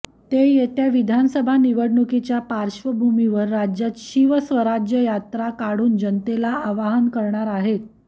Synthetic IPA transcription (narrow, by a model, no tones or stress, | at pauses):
t̪ejet̪jaʋid̪ʱansəbʱaniʋəɽɳukit͡ɕjapaɾɕʋəbʱumiʋəɾːad͡ʑjat̪ɕiʋəsʋəɾad͡ʑjəjat̪ɾakaɽuːnd͡ʑənt̪elaaʋaɦənkəɾɳaɾaɦet̪̚